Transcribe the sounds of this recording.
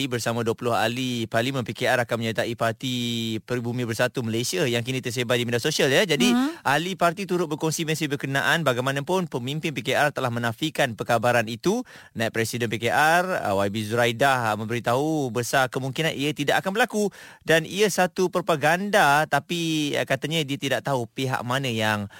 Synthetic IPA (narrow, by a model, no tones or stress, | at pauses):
ibərsamãduəpulʊɦa̰liparlimə̃npekeaɾakanməɲat̪aipart̪ipərbumĩbərsat̪uməlasiajaŋkinĩt̪ərs̬ebat̪̚dimedasosialjad͡ʒadiʔalipart̪it̪uɾʊt̪̚bərkɔŋsimə̃sibərkənãʔanbaɡajmãnãpʊnpəmimpɪnpekeʔart̪əlahmə̃nafikanpəkabaɾanit̪u | naiʔpɾɛsidənpekeʔar̰wabizuɾajdahmə̃mbəɾit̪aɦubəsakəmuŋkinaniət̪idaʔakanbəɾlakudaniəsat̪upəɾpaɡandat̪apikat̪aɲadiət̪idaʔt̪aɦupiɦa̰ʔ̚manə̃jaŋ